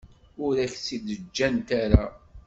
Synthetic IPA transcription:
ʊɾæçsid̪əd͡ʒːænt̪aɾa

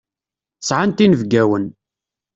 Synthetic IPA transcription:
sʕant̪inəvɡæwən

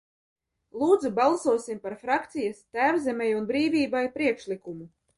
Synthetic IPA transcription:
lˠuːd̪zubalˠsuɔsimpaɾfɾakt̪sijast̪æːwzʲɛmʲɛjunbɾiːvʲiːbajpɾiɛkʃlʲikumu

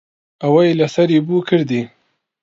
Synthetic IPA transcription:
awajlasaɾibukəɾd̪i

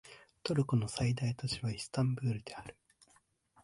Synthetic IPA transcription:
t̪o̞ɾɯ̟kono̞said̪ait̪at͡ɕiβaisɨ̥t̪ãmbɯ̟ːɾɯ̟d̪e̞aɾɯ̟̥

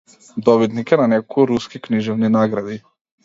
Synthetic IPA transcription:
d̪ɔbit̪nikɛnanɛkuɾuskikniʒɛvninaɡɾad̪i

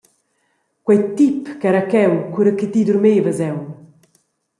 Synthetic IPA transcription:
kwɛjt̪ipkɛɾakɛwkuɾəkit̪id̪uɾmeːvəzɛw

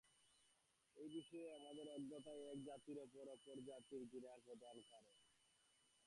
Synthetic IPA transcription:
ejbiʃɔeamad̪eɾɔd̪ːot̪aeɛk̚d͡ʑat̪iɾopoɾopoɾd͡ʑat̪iɾɡiɾakod̪ʱankaɾe

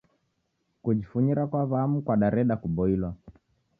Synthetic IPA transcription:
kud͡ʒifuɲiɾakwaβaamukwaɗaɾɛɗakubɔilwa

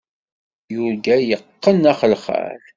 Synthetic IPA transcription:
jʊɾɡæjəqːənæχəlχə̰ɾ

